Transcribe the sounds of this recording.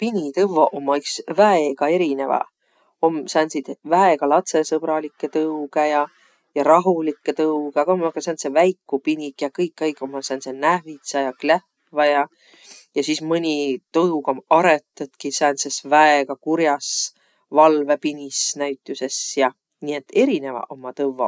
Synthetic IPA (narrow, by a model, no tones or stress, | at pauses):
pinʲit̪ɤvoʔomːɑyksvæeɡ̥ɑe̞ɾine̞vɑ̰ | omsæːnsid̪̥væeɡ̥ɑlɑt̪se̞sɤb̥ɾɑlikːˑet̪ɤuɡejɑ | jɑɾɑɦulikːˑet̪ɤwkeɑkomkːɑsænt̪sevæjkːˑupinʲikːˑjɑkɤjkːˑɑjkːˑomːɑsænsenæhvit̪sɑjɑklæh | vɑjɑ | jɑsismɯnʲit̪ɤwkomɑɾet̪ːˑut̪kisænsesvæeɡɑkuɾjɑs | vɑlve̞pinʲisnæɥt̪ːˑuse̞sjɑ | nie̞t̪ːˑe̞ɾine̞vɑ̰ʔomːɑt̪ɤvːɑ̰